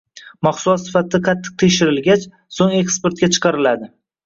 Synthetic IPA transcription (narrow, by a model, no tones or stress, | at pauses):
mɑχsʊlˠɒt̪sɪfat̪ɪd̪aqʰɑt̪ʰːɪ̥ɨ̥q̚t̪ʰekʲʃɪɾɪlɡʲat͡ʃ | soŋe̞kspe̞ɾt̪̚kʲat͡ʃʰɨ̥qʰɑɾɪlad̪ɪ